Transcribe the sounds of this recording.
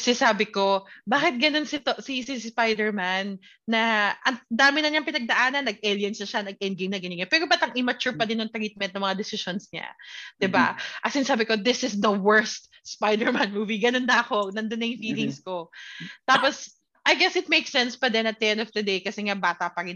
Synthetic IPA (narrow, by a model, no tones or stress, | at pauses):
sɪnsaːbɪko̞baːkɪt̪̚ɡɐno̞nsɪt̪osisɪspajd̪ɛɹmanː | ɐʔɐnd̪aːmɪnɐnɐŋpɪnɐɡ̚d̪ɐʔaːnɐnːɐɡ̚ʔeljɐnsnɐʃanɐɡ̚ɛn̚ɡemnɐɡɪnɪɡopɛːɾobat̪ɐŋʔɪmɐt͡ʃuɹpɐd̪ɪnjʊŋt̪ɾit̪̚mɛ̃n̚nɐŋmɐŋad̪ɛsɪʃonsɲa̰d̪̥ɪba̰ʔɐsɪnɐsaːbɪko̞d̪ɪsɪsd̪ɐwɛɹst̪̚ | spajd̪ɛɹmanmuːviɡɐnonːɐɐko̞nɐnd̪onɐjʊŋfiːlɪŋsko̞t̪aːpos | ʔɐjɡɛsɪt̪̚mejksɛnspɐd̪ɛnɐt̪̚ːɛnɔfd̪ɐd̪ejkɐsɛŋabaːt̪ɐpɐɾɪn